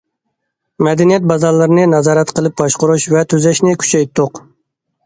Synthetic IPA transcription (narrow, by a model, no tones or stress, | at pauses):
mɛd̪ɛnijɛt̪̚bɑzɑɾlˠɨɾɨnɨnɑzɑːɾɛt̪qʰəlˠɨp̚bɑʃqʊɾuʃvɛt̪ʰøzɛʃnɪkʲʰy̥t͡ʃʰɛjt̪ʰːʊq